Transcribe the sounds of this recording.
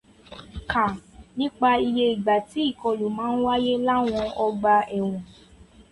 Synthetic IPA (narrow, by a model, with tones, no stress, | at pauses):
kʰa˨nĩ˦k͡pa˧i˧je˧i˨ɡ͡ba˨ti˨˦i˦˨kɔ˧lu˨mãː˨˦n̩˦wa˦je˦la˦w̃ɔ̃˧˦ɔ˧ɡ͡ba˧ɛ˨w̃ɔ̃˨